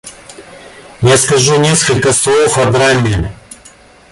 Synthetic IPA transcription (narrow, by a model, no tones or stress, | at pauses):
jaskɐʒunʲeskəlʲkəslˠowxɐɾd̪ɾamʲenʲ